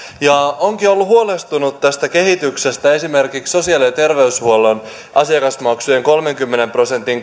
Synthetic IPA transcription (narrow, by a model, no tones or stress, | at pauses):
jɑoŋkio̞lːuɦuolest̪unut̪t̪æst̪æke̞ɦit̪ykse̞st̪æe̞sime̞rkikso̞siɑlit̪e̞rʋe̞yshuolon | ʔɑsiɑkɑsmɑksujeŋko̞lme̞ŋkymːene̞mpro̞se̞nt̪iŋ